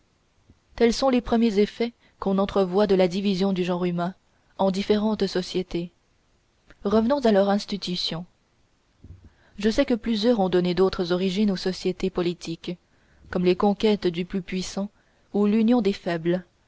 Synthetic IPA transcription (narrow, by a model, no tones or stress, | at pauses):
t̪ɛlsɔ̃lepχəmjezefɛ | kɔ̃nɑ̃t̪χəvwad̪əlad̪ivizjɔ̃d̪yʒɑ̃ʁymɛ̃ | ɑ̃d̪ifeʁɑ̃t̪sɔsjet̪e | ʁəvənɔ̃zalœʁɛ̃st̪it̪ysjɔ̃ | ʒəsɛkəplyzjœʁɔ̃d̪ɔned̪ot̪χəzɔʁiʒinosɔsjet̪epɔlit̪ʰik | kːɔmlekɔ̃kʲɛt̪d̪yplypɥisɑ̃ | ulynjɔ̃d̪efɛbl